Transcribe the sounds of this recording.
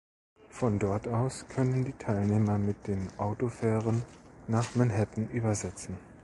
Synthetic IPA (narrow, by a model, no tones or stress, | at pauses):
fɔndɔɐtaʊskʰœnəndiːtʰaɪlneːmɐmɪt̚d̥eːnʔaʊtofɛːʁənːaːχmɛnɦɛtn̩ʔyːbɐzɛt͡sn̩